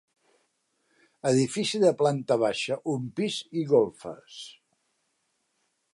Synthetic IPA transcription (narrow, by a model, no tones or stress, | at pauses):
əðifisiðəplant̪əβ̞aʃəʔumpiziɣolˠfə̰s